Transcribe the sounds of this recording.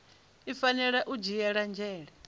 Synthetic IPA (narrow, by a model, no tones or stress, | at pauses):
ifanɛɺaʔud͡ʒijɛɺand͡ʒɛːɺɛ